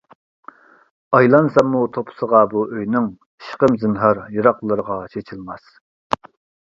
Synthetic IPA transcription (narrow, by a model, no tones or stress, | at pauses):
ɑjlˠɑnsɑmːut̪ʰopʰə̥səʁɑbuʔøjnɪŋ | ʃqəmzɨnɦɑɾjɨɾɑqlˠəɾəʁɑt͡ʃʰet͡ʃʰilˠmɑs